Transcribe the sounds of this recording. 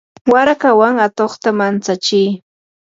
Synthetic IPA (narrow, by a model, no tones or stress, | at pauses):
waɾakawaŋat̪oχt̪amant͡sat͡ʃɪj